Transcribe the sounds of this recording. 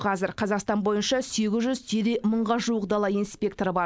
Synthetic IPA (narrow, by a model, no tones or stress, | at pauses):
qʰɑzɪɾqʰɑzɑqst̪ɑnbo̞jənʃɑse̞ɡʲɪzʒʏzt̪ʰed̪eməɴʁɑʒuəqd̪ɑlˠɑinspʲe̞k̚t̪o̞ɾəbɑ